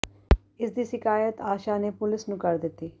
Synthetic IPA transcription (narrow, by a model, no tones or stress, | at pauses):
ɪsd̪iːsɪkaːjət̪aːʃaːneːpʊlɪsnũːkəɾd̪ɪt̪ːiː